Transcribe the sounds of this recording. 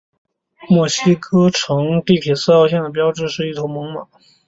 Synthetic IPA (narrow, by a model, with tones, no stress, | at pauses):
mwɔ˥˩ɕi˥kʰɤ˥ʈ͡ʂʰɤ˧˥ŋt̪i˥˩p̪ʰi˨˩sɹ̩˥˧ɑ˥˧ʊɕ̬jɛ˥˩nd̪ə˩p̬jɑ˥ʊʈ͡ʂɻ̩˥˧ʂɻ̩˥˧i˥˩t̪ʰo˧˥ʊmɤ˧˥ŋma̰˨˩˦